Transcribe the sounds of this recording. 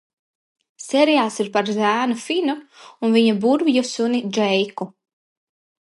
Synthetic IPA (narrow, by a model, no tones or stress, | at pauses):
sɛɾijaːsiɾpaɾzæːnufinuunviɲabuɾvjusunid͡ʒɛjku